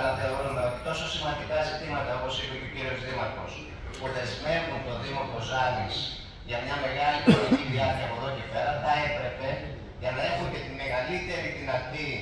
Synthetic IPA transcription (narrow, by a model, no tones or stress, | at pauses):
nɐθeoɾond̪ɐo̞t̪it̪o̞so̞simɐnd̪ikɐzit̪imɐt̪ɐo̞po̞sipecociɾiozðimɐt̪o̞s | puðe̞zme̞vunt̪o̞ðimo̞po̞zɐɾis | ʝɐmɲɐme̞ɣɐlikolociðiɐɾçɐːpoðo̞cepe̞ɾɐθɐe̞t̪ɾe̞pe̞ | ʝɐnɐe̞xuŋce̞t̪ime̞ɣɐlit̪e̞ɾit̪inɐɾt̪i